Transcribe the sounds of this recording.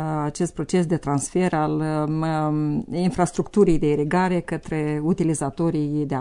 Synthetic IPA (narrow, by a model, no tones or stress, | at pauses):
at͡ʃe̞st̪pɾo̞t͡ʃe̞sd̪e̞t̪ɾansfe̞ɾal | infɾast̪ɾukt̪uɾijd̪e̞iɾiɡaɾe̞kət̪ɾe̞ut̪ilizat̪o̞ɾijd̪e